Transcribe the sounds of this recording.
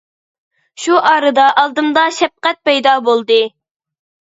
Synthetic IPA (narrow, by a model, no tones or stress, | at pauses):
ʃuʔɑːɾɨd̪ɑʔɑlˠd̪ɨmd̪ɑʃɛp̚qɛt̪̚pɛjd̪ɑbolˠd̪ɨ